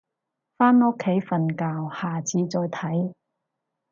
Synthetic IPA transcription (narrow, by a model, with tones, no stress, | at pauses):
faː˥nɔ˥kʰːe˨˥jfɐ˨nkaː˧whaː˨˩t͡sʰiː˨˧t͡sɔː˧jt̪ʰɐ˨˥j